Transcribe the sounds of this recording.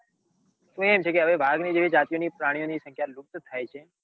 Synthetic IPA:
t̪ũemt͡ʃʰekeəʋebʱaːɡniːd͡ʒeːʋid͡ʒaːt̪ijõnipɾaːɽijõnisə̃ŋkʰjalʊk̚t̪t̪ʰajt͡ʃʰe

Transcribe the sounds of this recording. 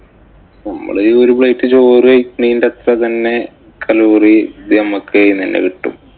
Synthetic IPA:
nɐmːɐ̰ɭɨoɾubɭɐjʈːɨt͡ɕoːrɨɐkːɳiːndɐt̪rɐt̪ɐnːe̞ | kʰɐluːrid̪iɐmɐkʰːeininːḛkiʈːṵm

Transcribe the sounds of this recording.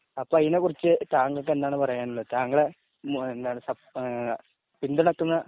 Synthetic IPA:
ɐpːoːɐðinekurit͡ɕːɨt̪aːŋɡɐkːe̞nd̪aːɳɨpɐrɐjaːnuɭːɐðɨt̪aːŋɡɐɭe | end̪aːɳɨsɐ | pind̪uɳɐkːunːɐ

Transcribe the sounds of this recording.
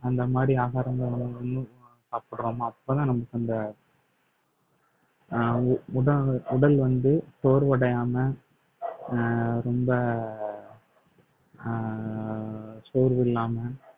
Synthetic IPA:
ɐnd̪ɐmaːd̪ɾiaːɣaːɾɐŋɡ̪ɐɐnːɯ̃ɔnːɯ̃saːpɯɽɾoːmaːɐpːoːt̪ãːnɐmːɐkːɯɐnd̪ɐ | ʊɽɐʊɽɐlʋɐnd̪ɯsoːɾʋɐɽɐjaːmɐ | ɾɔmbɐ | soːɾʋɪlːaːmɐ

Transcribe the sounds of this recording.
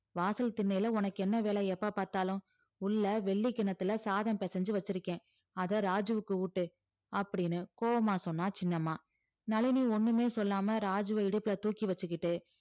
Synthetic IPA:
ʋaːsɐlt̪ɪnːɐjɪlɐʊnɐkːɛnːɐʋeːɭɐɛpːapaːɾt̪aːlʊ̃ | ʊɭːɐʋɛɭːikːɪɳɐt̪ːɯlɐsaːðɐmpɛsɐɲd͡ʒɯʋɐt͡ʃːɯɾɯkːẽː | ɐðɐɾaːd͡ʒɯʋɯkːɯuːʈːɯ | ɐpːɐɽɪnːɯkoːʋɐmaːsɔnːaːt͡ʃɪnːɐmaː | nɐɭɪniɔnːɯmeːsɔlːaːmɐɾaːd͡ʒɯʋɐɪɽɯpːɯlɐt̪uːkːiʋɐt͡ʃːɯkːɪʈːɯ

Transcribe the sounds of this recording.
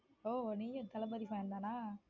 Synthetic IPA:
oːniːjõt̪ɐlɐbɐðɪfãɾɯnd̪aːnaː

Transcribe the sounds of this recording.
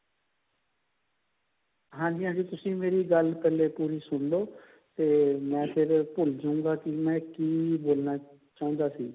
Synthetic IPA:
ɦãːɲd͡ʒiːɦãːd͡ʒiːt̪ʊsĩːmeːɾiːɡəlpɛːleːpuːɾiːsʊɳd̪oː | t̪eːmɛ̃ːpʰɪɾpʊld͡ʒũːŋɡaːkɪmɛ̃ːkiːboːlnaː | t͡ʃaːʊ̃nd̪aːsiː

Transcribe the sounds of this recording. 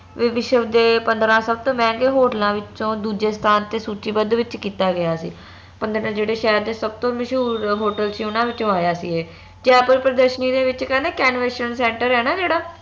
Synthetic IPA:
ʋəʋɪʃəʋd̪eːpənd̪ɾãːsəb̚t̪õːmɛ̃ːkeːɦoːʈəlãːʋɪt͡ʃõːd̪uːd͡ʒeːst̪ʰaːnt̪eːsuːt͡ʃiːbəd̪ʋɪt͡ʃkiːt̪aːɡɪjaːsḭː | pənd̪ɾãːd͡ʒeːɽeːʃɛːɾd̪eːsəb̚t̪õːməʃɦuːɾɦoːʈəlsiːʊnãːʋɪt͡ʃːõːaːjaːsiːeː | d͡ʒaːpəɾpɾəd̪əɾʃəniːd̪eːʋɪt͡ʃkɛːnɛːkɛːnʋeʃənsɛ̃ːɳʈəɾɛːnaːd͡ʒeːɽaː

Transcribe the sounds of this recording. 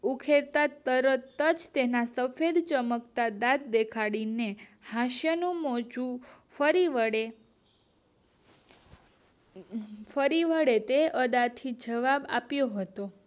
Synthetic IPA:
ukʰeɾt̪at̪əɾət̪əd͡ʒt̪enasəfed̪t͡ʃəməkt̪ad̪at̪̚d̪ekʰaɽinehaʃjənũmɔd͡ʒũ | fəɾie | fəɾiʋəɽet̪eʔəd̪at̪ʰid͡ʒəʋaba̰pjoɦət̪o

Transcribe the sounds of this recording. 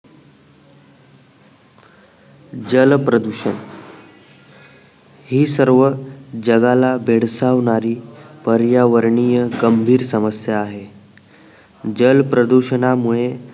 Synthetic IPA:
d͡ʑəlpɾəd̪uɕən | hiːsəɾʋəd͡ʑəɡalabʱeɽ̤saʋɳaɾiːpəɾjaʋəɾɳijəɡəmbʱiːɾsəməsjaːɦe | d͡ʑəlpɾəd̪uɕəɳamuɭe

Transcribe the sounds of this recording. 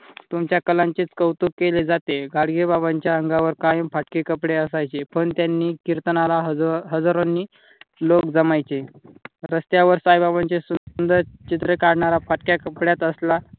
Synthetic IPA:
t̪umt͡ɕjakəlãɲt͡ɕiːt͡skəwt̪ukːeled͡zat̪eɡʱaɽɡebabaɲt͡ɕjaəŋɡaʋəɾkaj̃faʈkekəpɽeəsajt͡ɕepəɳt̪janːiːkiɾt̪ənalaɦəd͡zaɾonːiː | lokd͡zəmajt͡ɕeɾəst̪jaʋəɾsajbabaɲt͡ɕesuund̪əɾt͡ɕit̪ɾəkaɽɳaɾafaʈkjakəpɽjat̪əsla

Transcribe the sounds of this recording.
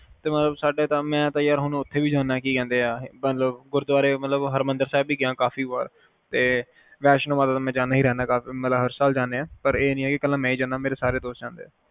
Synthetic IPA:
t̪eːmət̪ləbsaːɖeːt̪ãːmɛ̃ːt̪ãjaːɾɦʊñːʊt̪ʰːeːʋiːd͡ʒaːnːaːkiːkɛ̃ːnd̪eːaːmət̪ləbɡʊɾd̪ʊaːɾeːmət̪ləbɦəɾmənd̪əɾsɛːbiːɡɪãːkaːfiːʋaːɾ | t̪eː | ʋɛːʃnːmaːt̪aːt̪ãmɛ̃ːd͡ʒaːnːaːɦiːɾɛːnaːkaːfiːmət̪ləbɦəɾsaːld͡ʒaːneːaːpəɾeːnĩːɦɛːkɪkəlːãːmɛ̃ːiːd͡ʒãːnaːmeːɾeːsaːɾeːd̪oːsd͡ʒãːnd̪eː

